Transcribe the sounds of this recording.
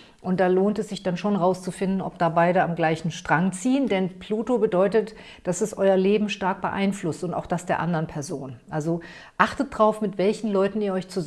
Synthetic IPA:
ʔʊnt̚d̥aːloːntɛsz̥ɪçd̥anʃoːnʁaʊst͡sufɪndn̩ɔ̰p̚d̥aːbaɪɾəamɡlaɪçn̩ʃtʁ̥aŋt͡siːəndɛnpʰluːtobədɔʏtət | d̥asɛsʔɔʏɐleːbm̩ʃtaɐk̚b̥ə̰ʔa̰ɪnflʊstʊnta̰ʊxd̥asd̥eːɐʔa̰ndɐənpʰɛɐzoːnʔalzo | ʔaχtət̚d̥ʁaʊfmɪtv̥ɛlçn̩lɔʏtn̩iːɐɔʏçt͡suz

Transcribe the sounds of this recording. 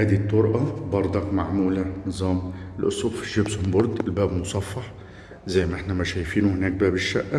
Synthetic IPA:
haːd̪it̪ˤːʊɾʔɑbɑɾˤd̪ˤɑkmaʕmuːlanɨzˤɑːmɪlʔʊ̰sˤubfʒɪbshʊmbɑɾˤd̪ˤɪlbæːbmʊsˤɑfːɑħ | zæjmaʔɪħnamaʃæːjfiːnʊhɪnæːk̚bæːbɪʃːaʔːa

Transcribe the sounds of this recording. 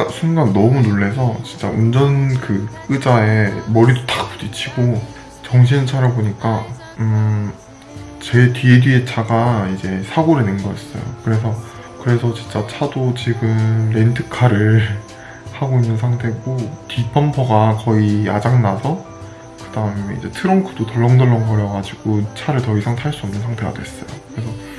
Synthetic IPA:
asʰuŋɡannʌmunoɭːe̞sʰʌt͡ɕint͡ɕ͈a̰und͡ʑʌnkɯ | ɯd͡ʑae̞mʌɾidotḁp͈udit͡ɕʰiɡo | t͡ɕʌŋɕ̬ʰinɯɭt͡ɕʰaɾaboɲik͈a | ɯ | t͡ɕe̞tiedɥiet͡ɕʰaɡaid͡ʑe̞sʰaɡoɾɯnenɡʌis͈ʌ̰jo̰kɯɾe̞s̬ʰʌ | kɯɾe̞sʰʌt͡ɕint͡ɕ͈at͡ɕʰadot͡ɕiɡɯmɾe̞ntʰɯkʰaɾɯɭ | haɡoinːɯnsʰaŋtʰe̞ɡotipʰʌmpʰʌɡakʌijad͡ʑaŋnasʰʌ | kɯdaɯmmeḭd͡ʑe̞̰tʰɯɾʌŋkʰu̥dotʌɭːʌŋdɯɭːʌnɡʌɾʌɡad͡ʑiɡ̥ot͡ɕʰaɾɯɭtʌisʰaŋtʰaɭs͈uʌmnɯnsʰaŋtʰe̞ɡa̰d̥wees͈ʌ̰jo̰kɯɾe̞sʰʌ

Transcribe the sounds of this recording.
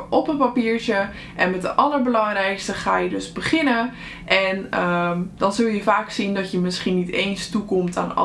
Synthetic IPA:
ʔɔpənpapiːɹt͡ʃə | ʔɛnmɛt̚dəʔɑləɹbəlɑŋrɛjkstəχaːjədøzbəχɪnə | ʔɛnədɔnzɵlˠjəfaːksindɔtjəmɪsχinitejnstukɔmtʰaːnɔ̰

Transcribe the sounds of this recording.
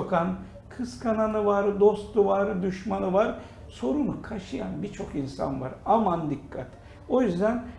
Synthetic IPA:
okʰan | kʰɯskʰananɯvaɾd̪o̞st̪uvaɾd̪uʃmanɯvaɾ | so̞ɾunukʰaʃɯjanbit͡ʃʰo̞kinsa̰nva̰ɾamand̪ikʰːat̪ʰ | o̞jyzd̪æn

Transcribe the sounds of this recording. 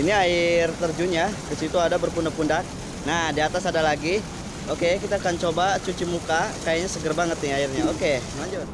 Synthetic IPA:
iniaɪrt̪ərd͡ʒuɲakəsit̪uadabərpundapundak̚ | nahdiat̪asadalaɡi | okekit̪aːkant͡ʃobat͡ʃut͡ʃimukakajaɲasəɡərbaŋət̪ɪaɪrɲaoke | laɲd͡ʒʊt̪̚

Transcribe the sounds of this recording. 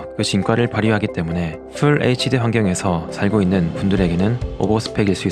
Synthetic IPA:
kɯt͡ɕink͈aɾɯɭpaɾjiɦaɡit͈e̞mune̞ | pʰuɭet͡ɕʰideɸwaŋɡjʌŋe̞sʰʌsʰaɭɡoinːɯnpundɯɾe̞ɡe̞nɯno̰bosʰɯ̥pʰe̞ɡiɭs͈ui

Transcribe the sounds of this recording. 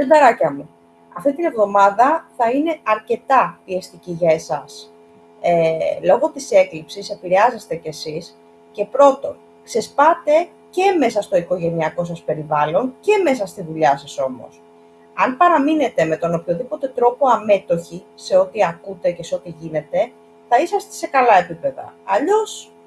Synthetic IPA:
ed̪ɐɾɐcɐmu | ɐft̪it̪ine̞vðo̞mɐðɐθɐine̞ɐɾce̞t̪ɐpiest̪iciʝɐesɐs | elo̞ɣo̞t̪ise̞klipsise̞piɾe̞ɐze̞st̪e̞ce̞sis | ce̞pɾo̞t̪o̞n | kse̞spɐt̪e̞ | ce̞me̞sɐst̪o̞iko̞ʝe̞niɐko̞sɐspe̞ɾivɐlo̞nce̞me̞s̬ɐst̪iðuʎɐsɐso̞mo̰s | ɐnpɐɾɐmine̞t̪e̞me̞t̪o̞no̞pçoðipo̞t̪e̞t̪ɾo̞po̞ɐme̞t̪o̞çise̞o̞t̪iɐkut̪e̞ce̞seo̞t̪iʝine̞t̪e̞ | θɐisɐst̪ese̞kɐlɐe̞pipe̞ðɐ̰ɐʎo̞s

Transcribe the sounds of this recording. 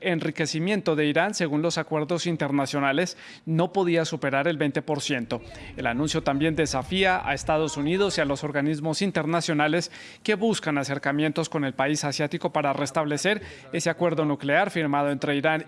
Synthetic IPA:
enrike̞simje̞nt̪o̞ðe̞iɾanse̞ɣunlo̞sakwe̞ɾðo̞sint̪e̞ɾnasjo̞nale̞s | no̞po̞ð̞iasupe̞ɾaɾe̞lbe̞jnt̪e̞po̞ɾsje̞nt̪o̞e̞lanũnsjo̞t̪ambje̞nd̪e̞safiaʔa̰est̪að̞o̞suniðo̞sialo̞so̞ɾɣanizmo̞sint̪e̞ɾnasjo̞nale̞s | ke̞βuskanase̞ɾkamje̞nt̪o̞sko̞ne̞lpaisasjat̪iko̞paɾare̞st̪aβ̞le̞se̞ɾ | e̞se̞akwe̞ɾðo̞nukle̞aɾfiɾmaðoe̞nt̪ɾe̞iɾan

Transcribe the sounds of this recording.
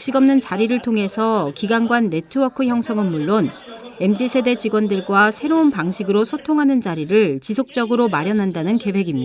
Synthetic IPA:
kɕ͈iɡʌmnɯnt͡ɕaɾiɾɯɭtʰoŋɦe̞sʰʌkiɡanɡwanːe̞tʰɯʌkʰɯçjʌŋsʰʌŋɯnmuɭːon | e̞md͡ʑisʰe̞de̞t͡ɕiɡwʌndɯɭɡwasʰe̞ɾounpaŋɕʰiɡɯɾosʰotʰoŋɦanɯnt͡ɕaɾiɾɯɭt͡ɕisʰok̚t͡ɕ͈ʌɡɯɾomaɾjʌnɦandanɯnke̞bwe̞ɡimɲida

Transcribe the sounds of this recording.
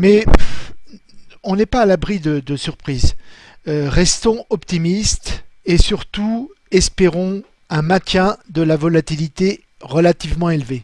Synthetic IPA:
mɛ | ɔ̃nɛpaːlabʁid̪əd̪əsyʁpχiːz | øʁɛst̪ɔ̃ɔpt̪imist̪esyʁt̪u | ɛspeʁɔ̃ | ɛ̃mɛ̃t̪jɛ̃d̪əlavɔlat̪ilit̪e | ʁəlat̪ivmɑ̃elve

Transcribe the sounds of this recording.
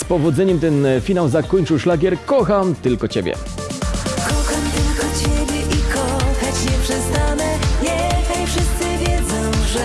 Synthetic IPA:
spɔvɔd̪zɛɲɛmt̪ɛnfʲinawzakɔɲt͡ʂɘwʂlaɡʲjɛɾkɔxamt̪ɘlkɔt͡ɕebʲjɛ̰ | kɔxamt̪ɘlkɔt͡ɕɛbʲjɛʔikɔxat͡ɕɲɛpʂɛst̪anɛɲɛxajfʂɨst̪sɨvʲjɛd̪zɔ̃w̃ʐɛ

